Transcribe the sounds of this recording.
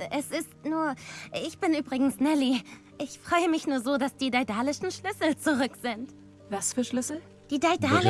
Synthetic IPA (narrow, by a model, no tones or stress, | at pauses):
ʔɛsɪstnuːɐɪçb̥ɪnʔyːbʁɪɡŋ̩snɛli | ʔɪçfʁ̥ɔʏəmɪçnuːɐzoːdasd̥iːdaɪdaːlɪʃn̩ʃlʏsl̩t͡suʁʏkz̥ɪnt | vasfyːɐʃlʏsl̩ | d̥iːdaɪdaːl